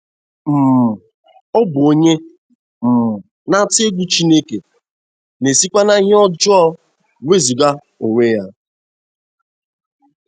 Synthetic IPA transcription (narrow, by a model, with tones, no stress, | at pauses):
m̩˨m̩˨ | ɔ˦bʊ˨o˦ɲe˦ | m̩˨m̩˨ | na˦te˦ɡʷu˦t͡ʃi˦ne˦ke˨ | ne˨si˦kʷa˦na˦ɦɪ˦ɔ˦d͡ʒɔ˦ | we˦zu˨ɡa˦ | o˨ŋʷe˦ja˦